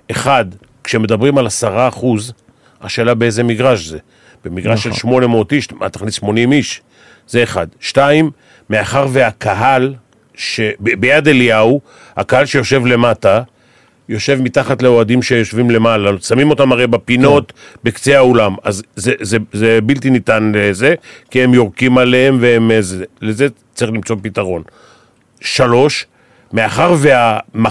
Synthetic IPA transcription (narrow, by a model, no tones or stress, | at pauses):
e̞χad | kʃeme̞d̪abʁimalasaʁaːχuz | a̰ʃeːlabeeze̞miɡʁaʃze | b̥emiɡʁaʃelʃmo̞ne̞motiʃmat̪ḁχnisʃmo̞nimiʃ | z̥e̞ːχa̰dʃtaimː | eaχaʁveakʰaɦal | ʃebebejad̪eliau | ha̰kahalʃejo̞ʃe̞vle̞mata | jo̞ʃe̞vmitaχatleo̞adimʃejo̞ʃvimle̞malasamimo̞tamaʁejbapino̞tbekt͡se̞aolamazezezebiltinitanlezekiemjoʁkimalehemveemezeelezet͡saʁiχlimt͡so̞pitaʁo̞n | ʃalo̞ʃ | meaχaʁveama